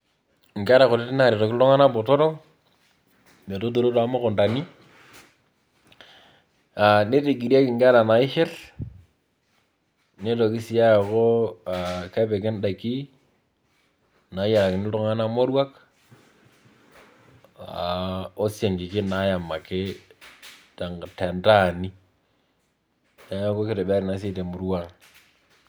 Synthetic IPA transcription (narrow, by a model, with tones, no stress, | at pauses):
ŋɡa˦ɾa˨kʊ˨lɪ˦tɪ˦na˦˨ɾe˨to˨kɪ˦ʊ˦ŋa˦na˦bɔ˨tɔ˦ɾɔ˦ | ne˨to˦t̬o˨ɾo˦ta˨mo˦kɔ˨nda˨ni˦ | a˨ne˦te˨ɡi˨ɾa˦kɪ˨ŋɡa˦ɾa˨na˨ɪ˦ʃɪ˦l | ne˦to˨kɪ˦si˨ja˦ja˨ko˦a˨ka˦pɛ˨k̬ɪ˦nda˨ki˦ | na˨˦ja˨la˨kɪ˨nɪ˦tʊ˦˨ŋa˦na˦mo˦ɾwa˦k | a˨o˦sja˨ŋkɪ˨kɪ˦na˦ja˨ma˨kɪ˦ | ta˨ŋtɛ˨nta˦˨ni˦ | ja˨ŋa˦ko˦kɪ˨ɾe˨bɛ˦ɾɪ˨na˨˦s̬ɪ˦te˨mʊ˨ɾwa˦ŋ